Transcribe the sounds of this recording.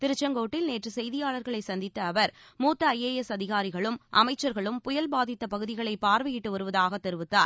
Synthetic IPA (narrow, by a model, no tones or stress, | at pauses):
t̪ɪɾɯt͡ʃːɐŋɡoːʈːɪlneːʈrɯsɛjðɪjaːɭɐɾɣɐɭɐɪsɐnd̪ɪt̪ːɐːʋɐɾmuːt̪ːɐɐjeːjɛsɐðɪɣaːɾɪɣɐɭɯmʔɐ̰mɐɪt͡ʃːɐɾɣɐɭɯmpʊjɐlbaːðɪt̪ːɐpɐɣɯðɪɣɐɭɐɪpːaːɾʋɐjɪʈːɯʋɐɾɯʋɐðaːɣɐt̪ːɛɾɯʋɯt̪ːaːɾ